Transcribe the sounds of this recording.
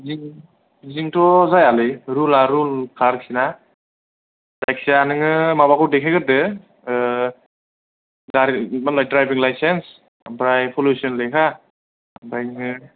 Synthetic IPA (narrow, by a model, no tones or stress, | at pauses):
ziŋ | ziŋtʰɔzajalɯjɾulaɾulkʰaɾksina | zajksianɯŋɯmaβakʰɔdekʰaɡɯɾdɯ | daɾmalɔjdɾajbiŋlajsens | bɾajpʰɔlusiɔnlɯjkʰa | bɾajŋŋɯ